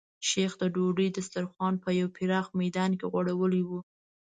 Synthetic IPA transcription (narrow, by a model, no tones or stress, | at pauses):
ʃexd̪əɖoɖid̪əst̪aɾxwɑnpəjawpʰɪɾɑxmajd̪ɑnkeɣwaɽawəliwu